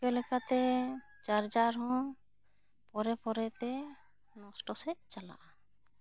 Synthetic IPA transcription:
kɛlɛkat̪ɛ | t͡ʃaɾd͡ʒaɾɦɔ̃ | pɔɾɛpɔɾɛt̪ɛ | nɔ̃sʈɔsɛt͡ʃala̰ʔa

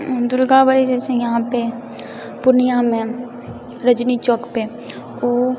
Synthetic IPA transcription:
d̪ʊlɡabəɽid͡ʒɛːsẽjɐɦãpe | pʊɾnɪjãmẽ | ɾəd͡ʒnit͡ʃɔːkpe | oː

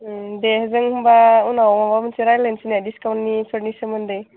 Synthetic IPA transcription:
dehzɯŋhumbaunawmabamɯnsiɾajlensinadiskawntnipʰəɾnisɯmɯndɯj

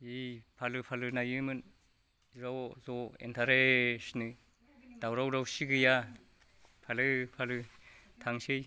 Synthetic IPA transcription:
ipʰalɯpʰalɯnajɯmɯn | ɾawzɔḛntʰaɾesnɯ | d̥awɾawɾawsiɡɯja | pʰalɯpʰalɯ | tʰaŋsej

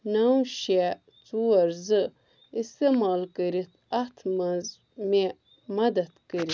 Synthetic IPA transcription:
nawʃe | t͡suɐɾzɨ | ist̪emɑːlkəɾit̪ɐt̪ʰ | me | mɐd̪ɐt̪kəɾi

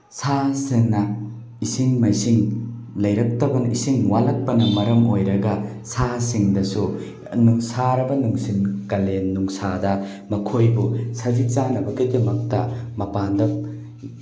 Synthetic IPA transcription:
saseŋnɐ | isiŋmɐjsiŋlɐjɾɐk̚tɐbɐnisiŋwalɐk̚pɐnɐmɐɾɐmojɾɐɡɐsasiŋdɐsu | nuŋsaɾɐbɐnuŋsinkɐlenːuŋsadɐ | mɐkʰojbusɐzit͡ʃanɐbɐɡidɐmɐk̚tɐmɐpandɐm

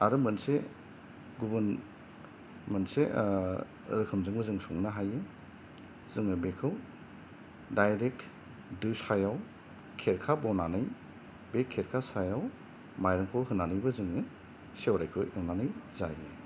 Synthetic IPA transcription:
aɾɯmɐnse | ɡubɐn | mɐnse | ɾɯkʰɯmzɯŋbɐzɯŋsɔŋnaɦajɯ | z̥ɯŋɯbekʰɯw | dajɾek | dusajaw | kʰeɾkʰabɔnanɯj | bekʰːeɾkʰasajaw | majɾɯŋkʰɔwɦɯnːanɯjbɯzɯŋɯ | sewɾajkʰɯjɯwnanɯjzaje

